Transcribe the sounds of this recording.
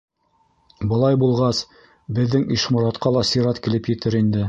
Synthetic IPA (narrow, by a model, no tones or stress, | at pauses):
bɤ̆lˠɑjbulˠʁɑs | bɘ̆ðːɘŋiʃmŏɾɑt̪qɑlˠɑsiɾɑt̪kilɘpjɘ̆t̪ɘɾind̪ɘ